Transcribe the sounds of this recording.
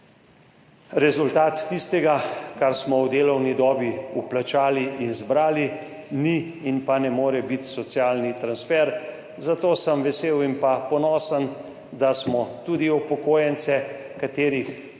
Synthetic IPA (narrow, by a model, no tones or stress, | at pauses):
ɾɛzult̪aːt̪ːist̪ɛɡakaɾsmɔwd̪eːlɔwnid̪ɔːbiuplat͡ʃaːliʔinzbɾaːli | niːnpanɛmoːɾɛbit̪sɔt̪sjaːlnit̪ɾansfɛɾ | zat̪oːsəmʋɛseːwimpapɔnɔːsən | d̪asmɔt̪uːd̪iɔpɔkoːjɛnt̪sɛ | kat̪eːɾix